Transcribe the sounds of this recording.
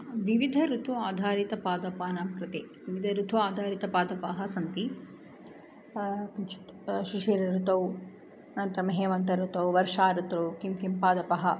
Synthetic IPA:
ʋiʋid̪ʱɐɾut̪ʰuaːd̪ʱaːɾit̪ɐpaːd̪ɐpaːnamkɾɪt̪eːʋiʋid̪ʱɐɾut̪ʰuaːd̪ʱaːɾit̪ɐpaːd̪ɐpɐɦɐsɐnt̪i | kɐt͡ʃu̥t̪ʃiʂeːɾɐɾut̪ɐw | ɐnɐnt̪ɾɐmɐɦeːʋɐnt̪ɐɾut̪ɐwʋɐɾʂaːɾut̪ɾɐwkimkimpaːd̪ɐpɐɦɐ

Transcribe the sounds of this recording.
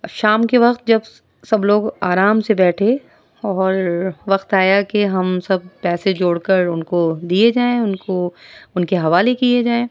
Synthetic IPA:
ʃaːmkeʋɐqt̪̚d͡ʒɐb | sɐbloːɡaːɾaːmsebɛːʈʰe | ɔːɾʋɐqt̪aːjakeɦɐmsɐb̚pɛːsed͡ʒoːɽkɐɾʊnkod̪ied͡ʒaːẽʊnkoʊnkeɦɐʋaːlekied͡ʒaːẽː

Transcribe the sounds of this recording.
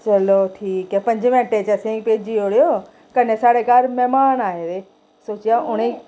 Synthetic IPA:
t͡ʃɐloʈʰiːkɛpɐ̃ɲd͡ʑmẽʈet͡ɕɐsẽːkpeːd͡ʑioːɽijo | kɐnesaːɽekaːɾmɛɦmaːnaːɦed̪e | soːt͡ɕijaʊɽ̃e

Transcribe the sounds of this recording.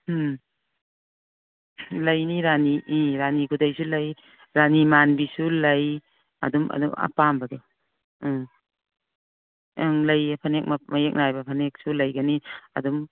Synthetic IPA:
m | lajniɾaniʔiɾanikʰudajsulaj | ɾanimanbisulaj | a̰dumʔa̰duŋa̰pambadɔ | aŋlajpʰanek̚mamajek̚najbapʰanek̚sulajɡaniɐ̰dum

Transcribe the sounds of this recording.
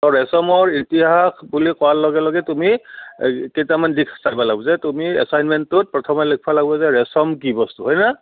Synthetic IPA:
ɔɹɛsɔmɔɹitiɦakʰbulikɔwalɔɡɛlɔɡɛtumi | kejtamandikʰsajbalaɡɔzɛtumiɛ̰sajnmɛntːʊt̚pɹɔtʰɔmɔlek̚ʰpʰalaɡbɔzɛɹɛsɔmk̬ibɔstuɦɔjna

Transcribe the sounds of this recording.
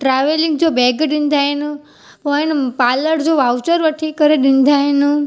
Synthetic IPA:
ʈɾaʋelĩŋɡd͡ʒobɛːɡɗĩnd̪ʱajnũ | pɔjnpaləɽd͡ʒoʋawt͡ʃəɾʋəʈʰikəɾeɗind̪ʱajnũ

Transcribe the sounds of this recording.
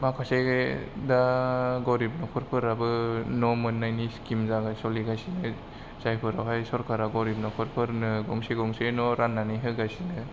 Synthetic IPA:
makʰaseɡdaɡɔɾip̚nɔpʰɯɾpʰɯɾabɯnɔmɯnːajniskimzaɡasɔliɡajsinɯ | zajpʰɯɾawɦajsɔɾkʰaɾaɡɔɾip̚nɔpʰɯɾpʰɯɾnɯɡɔŋseɡɔŋsenɔɾanːaniɦɯɡajsinɯ

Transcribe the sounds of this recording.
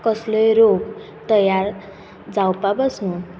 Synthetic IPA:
kʌsləjɾoɡ | t̪ʌjaɾ | d͡zawpabəsun

